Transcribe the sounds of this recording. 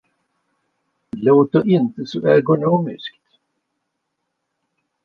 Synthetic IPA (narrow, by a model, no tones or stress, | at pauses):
loːt̪əʔɪnt̪əsɔʔɛɡʊnoːmɪ̰skt̪